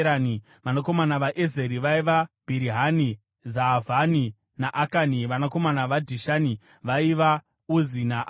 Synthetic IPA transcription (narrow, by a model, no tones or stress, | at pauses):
ani | ʋanako̞manaʋaʔezeɾiʋaiʋab̥ʱiɾiɦani | zavani | naʔakaniʋanako̞manaʋadʱiʃani | ʋaiʋa | uzinaʔ